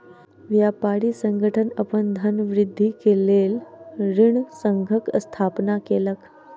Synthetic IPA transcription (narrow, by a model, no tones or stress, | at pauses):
ʋjapaɽiːsəŋɡəʈʰənəpəɳd̪ʱənʋɾid̪ʱːikelelɾiɳsəŋɡʱəkst̪ʰapnakelək